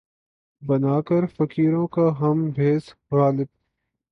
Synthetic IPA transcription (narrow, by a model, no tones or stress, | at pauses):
bənaːkəɾfɐkiːɾõːkaɦɐmbʱeːsɣaːlɪb̚